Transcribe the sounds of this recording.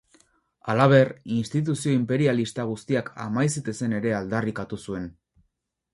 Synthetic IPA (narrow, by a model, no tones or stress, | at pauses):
alaβ̞e̞rinst̪it̪̬usio̞impe̞ɾialist̪aɣ̞ust̪iakʰa̰majset̪ese̞ne̞ɾe̞ald̪arikat̪usue̞n